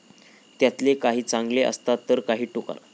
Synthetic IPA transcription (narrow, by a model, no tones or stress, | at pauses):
t̪jat̪lekaɦiːt͡sãŋɡleə̰st̪at̪ːəɾkaɦiːʈuka̰ɾ